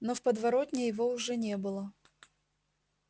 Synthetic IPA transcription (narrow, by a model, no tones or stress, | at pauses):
nofpəd̪vɐɾo̞tʲnʲɪjɪvo̞ʊʐɛnʲebɨlˠə